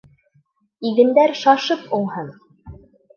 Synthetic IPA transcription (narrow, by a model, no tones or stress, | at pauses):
iɣɘ̆nd̪æɾʃɑʃɤpulˠhɤn